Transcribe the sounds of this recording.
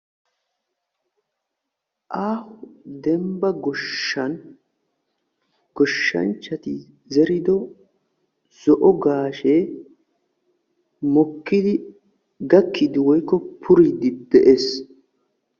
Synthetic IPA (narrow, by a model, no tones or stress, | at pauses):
ʔaːhʊd̪ɛmbɐɡɔʃɐn | ɡ̥ɔʃːɐ̰nt͡ʃːɐt̪ɪ | zɛɾɪd̪ɔ | z̥ɔʔɔɡaːʃeː | mɔkːɪd̪ɪ | ɡɐkʰːɪd̪ɪwɔjkːɔpʰʊɾɪd̪ɪd̪ɛʔes